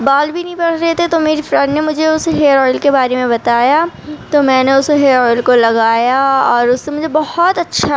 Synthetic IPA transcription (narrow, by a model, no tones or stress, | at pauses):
baːlbʱinɐɦĩpɐɽɾeɦt̪et̪omeːɾifɾɐɖnemʊd͡ʒʱeʊsɦeːɾɔːɪlkebaːɾemẽbɐt̪aːja | t̪omɛ̃ːneʊsɦeːɾɔːɪlkolɐɡaːjaɔːɾʊsːemʊd͡ʒʱebɐhɔt̪ɐtːʃʰa